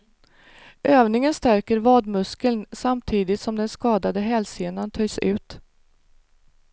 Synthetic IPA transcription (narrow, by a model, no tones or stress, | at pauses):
ʔøːvnɪŋənst̪æɾkəɾvɑːd̪mɵskəlnsamt̪ʰiːd̪ɪt̪sɔmd̪ɛnskɑːd̪ad̪əɦɛlseːnant̪ʰœjsʉ̟ːt̪